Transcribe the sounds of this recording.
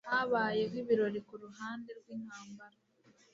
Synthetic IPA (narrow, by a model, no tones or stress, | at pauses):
haβaːje̞ɦwiβiɾo̞ɾikuɾuɦaːnde̞ɾɡwiːŋaːmbaɾa